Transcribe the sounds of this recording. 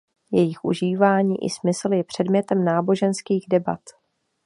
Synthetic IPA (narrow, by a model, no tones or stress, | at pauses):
jɛjɪxʔṵʒiːvaːɲiːʔɪ̰smɪsl̩jɛpr̝̥ɛdmɲɛt̪ɛmnaːbo̞ʒɛnskiːɣdɛba̰t̪